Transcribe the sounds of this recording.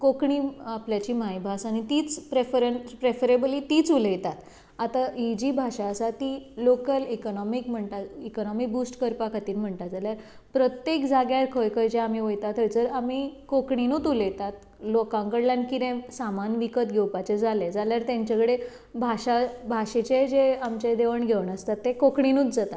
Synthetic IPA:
kokɳiapljat͡ɕiːmajbʱasanit̪iːt͡spɾefɾenspɾefəɾebəlit̪iːt͡suləjt̪at̪ | at̪aid͡ʑibʱaɕaəsat̪ilokəlikɔnɔmikm̤əɳt̪aikɔnɔmik̚busʈkəɾpakʰat̪iːnm̤əɳt̪ad͡zaljaɾ | pɾət̪jekd͡zaɡjaɾkʰəjkəjd͡ʑeam̤iʋəjt̪at̪ʰəjd͡zəɾamikokɳinuːt̪uləjt̪at̪̚ | lokãŋkəɽljãnkid̪ẽsamanʋikət̪ɡʱewpat͡ɕed͡zaled͡zaljaɾt̪jãɲt͡ɕakəɽe | bʱaɕabʱaɕet͡ɕed͡ʑeamt͡ɕed̪eʋəɳɡʱeʋɳəst̪at̪ːekokɳinuːt̪d͡zat̪a

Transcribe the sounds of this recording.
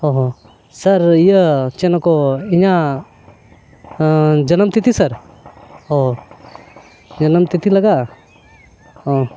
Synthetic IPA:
ɦoɦo | sɐɾjət͡ʃenəkoɪɲã | d͡ʒɐnəmt̪it̪ʰisɐɾ | ɦo | d͡ʒɐnəmt̪it̪ʰilɐɡa | o

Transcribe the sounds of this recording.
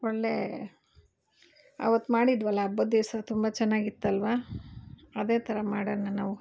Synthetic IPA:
ɔɭːe | ɐ̰ʋɐt̪ːumaːɽid̪ʋɐlːɐːbːɐd̪isɐt̪umbɐt͡ʃɛnːaːɡit̪ːɐlʋaː | ɐd̪e̞ːt̪ʰɐɾɐmaːɽɐnːɐnaːʋu

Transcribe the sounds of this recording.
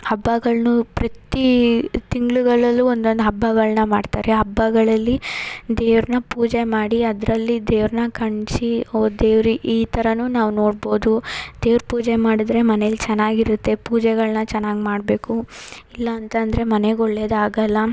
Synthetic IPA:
hɐbːɐɡɐɭnupɾɐt̪it̪iŋɡɭuɡɐɭɐlːuond̪o̞nd̪uɦɐbːɐɡɐɭnɐmaːɖt̪a̰ːɾe̞ɦɐbːɐɡɐɭɐlːid̪eːʋɾnɐpuːd͡ʒemaːɽiɐd̪ɾɐlːid̪eːʋɾnɐkɐɳt͡ʃiod̪eːʋɾiʔiːt̪ʰɐɾɐnuːnaːʋno̞ːɽbo̞ːd̪ud̪̥eːʋɾpuːd͡ʒemaːɽid̪ɾe̞mɐnelːt͡ʃɛnːaːɡiɾut̪ːe̞puːd͡ʒɛɡɐɭnɐt͡ʃɛnːaːɡimaːɽbe̞ːkuilːɐːnt̪ɐnd̪ɐɾe̞mɐneɡɔɭːed̪aːɡɐlːɐ

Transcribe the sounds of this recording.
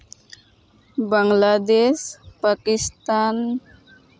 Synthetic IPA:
baŋladɛspakist̪an

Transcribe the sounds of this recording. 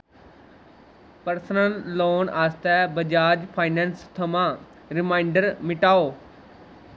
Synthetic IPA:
pəɾsnəlːoːnaːst̪ɛːbəd͡ʒaːd͡ʒpʰaːinɛ̃ːnst̪ʰəmãː | ɾɪmaːɪɳɖəɾmɪʈaːoː

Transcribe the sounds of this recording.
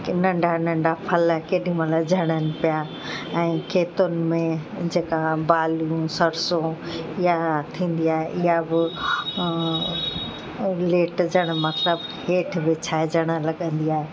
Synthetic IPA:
nɐ̃ɳɖʱanɐ̃ɳɖapʰɐləkeːɗĩmə̃lad͡ʑʱɐɽ̃ənɪ̆pija | ɛ̃ːkʰeːt̪ʊnɪ̆mẽ | d͡ʑeːkabaːlũsɐɾsõ | ɪɦat̪ʰĩːn̆d̪iaːɦeʔɪɦabɪ | leːʈd͡ʑɐɽ̃mɐt̪ləb | ɦeːʈʰbɪt͡ɕʰaːɦed͡ʑɐɽ̃əlɐɠə̃nd̪iaːɦe

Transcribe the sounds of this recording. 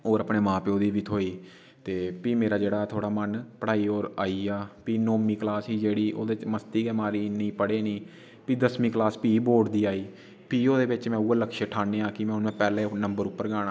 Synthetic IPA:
oːɾəpɳeːmãːpeːoːd̪iːʋiːt̪ʰoːiː | t̪eːpiːmeːɾaːd͡ʒeːɽaːt̪ʰoːɽaːmənpəɽaːiːoːɾaːiːaːpiːnoːmiːklaːsɦiːd͡ʒeːɽiːʔo̰ːd̪eːt͡ʃməst̪iːɡɛːmaːɾiːnĩːpəɽeːnĩː | piːd̪əsmiːklaːspiːboːʈd̪iːaːiː | piːoːd̪eːbɪt͡ʃmɛ̃ːuːaːləkʃeːʈʰaːneːãːkɪmɛ̃ʊnmɛ̃ːpɛːleːnəmbəɾʊpːəɾɡaːɽaː

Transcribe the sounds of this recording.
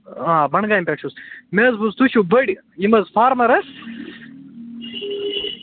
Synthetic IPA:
ãːbɐɳɡaːĩmpʲeʈʃusmezbust̪uɕubɐɽʲ | imɐzfʰaːɾmɐɾɐs

